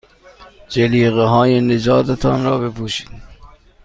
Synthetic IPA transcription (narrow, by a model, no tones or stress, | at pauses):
d͡ʒeliːɣeɦɒːjened͡ʒɒːd̪et̪ʰɒːnɾɒːbepʰuːʃi̥ːd̪̥